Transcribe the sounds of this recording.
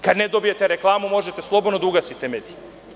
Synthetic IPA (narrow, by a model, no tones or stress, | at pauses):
kad̪ned̪o̞bijet̪eɾeklˠaːmumo̞ʒet̪eslˠo̞bod̪nod̪uɡasit̪emed̪i̥